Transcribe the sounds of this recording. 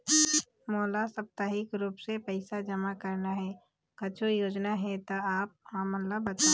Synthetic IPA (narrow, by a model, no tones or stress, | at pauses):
moːlasɐp̚t̪aɦɪkɾuːpsepɛɪsad͡ʒəmakɐɾnaɦɛː | kɐt͡ʃʰojoːd͡ʒnaɦɛt̪oaːp̚ɦãmət̪ləbːɐt̪a